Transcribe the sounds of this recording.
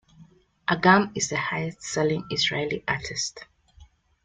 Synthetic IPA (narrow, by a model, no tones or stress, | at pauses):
ʔaɡãmizðəhajɛstsɛlĩŋizɹeliʔatʰist